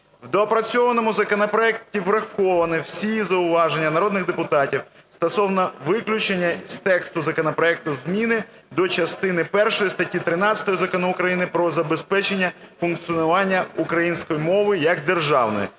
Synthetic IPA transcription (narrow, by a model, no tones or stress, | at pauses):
wd̪ɔɐpɾɐt͡sʲɔʋɐnɔmʊzɐkɔnɐpɾɔɛk̚tʲiʋrɐxɔʋɐnɪw̥sʲizɐʊʋɑʒenʲːɐnɐɾɔd̪nɪɣd̪epʊt̪ɑtʲiw | st̪ɐsɔwnɐʋɪklʲʊt͡ʃenʲːɐst̪ɛkst̪ʊzɐkɔnɐpɾɔɛk̚t̪ʊzmʲinɪ | d̪ɔt͡ʃɐst̪ɪnɪpɛrʃɔjist̪ɐtʲːit̪ɾɪnɑt͡sʲsʲɐ̥t̪ɔjɔzɐkɔnɔʊkɾɐjinɪpɾɔzɐbespɛt͡ʃenʲːɐ | fʊnk̪t͡s̪ʲiɔnʊʋɑnʲːɐukɾɐjinʲsʲkɔjimɔʋɪjɐɡd̪erʒɑwnɔ̰j